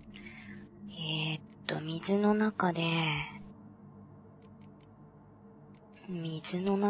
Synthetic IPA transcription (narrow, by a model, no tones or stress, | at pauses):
et̪ːo̞̰mʲizɨno̞nakad̪e̞ | mʲizɨno̞na